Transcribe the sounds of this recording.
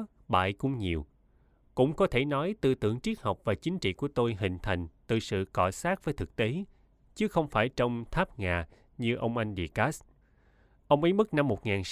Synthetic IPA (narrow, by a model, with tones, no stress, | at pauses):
ɓa̰ː˧˨jkʊ̰˧ŋ͡mɲi˨˩əw | kʊ̰˧˥ŋ͡mkɔ˨˦t̪ʰe˧˩nɔ˨˦jt̪ɨ˧t̪ɨ˧˩əŋt͡ɕi˦˥ək̚hə˨˩wk͡p̚vaː˨˩t͡ɕï˨˦ŋ̟t͡ɕḭ˧˨ku˧˩ət̪o˧jɦï˨˩ŋ̟t̪ʰa˨˩jŋ̟t̪ɨ˨˩sɨ̰˧˨kɔ˧˩saː˦˥k̚vəː˨˦jt̪ʰɨ˨˩k̚t̪e˨˦ | t͡ɕɨ˨˦xə˧wŋ͡mfaː˧˩jt͡ɕə˧wŋ͡mt̪ʰaː˦˥p̚ŋaː˨˩ | ɲɨ˧ʔə˧wŋ͡mʔa˧jŋ̟ɗḭ˧˨kaː˦˥s | ʔə˧wŋ͡mʔə˨˦jmɨ˦˥k̚na˧mːo˨˩t̚ŋaː˨˩n